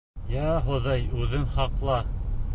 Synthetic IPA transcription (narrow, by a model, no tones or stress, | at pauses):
jæɦŏðɑjʉðɘnχɑqlˠɑ